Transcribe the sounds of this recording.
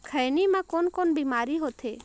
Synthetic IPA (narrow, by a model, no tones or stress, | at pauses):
kʰəjnimãkonkonbimaːɾiɦot̪ʰe